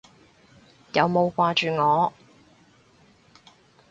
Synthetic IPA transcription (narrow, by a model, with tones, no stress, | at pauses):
jɐ˨˧wmo˨˧wkʷaː˧t͡ʃyː˨ŋɔː˨˧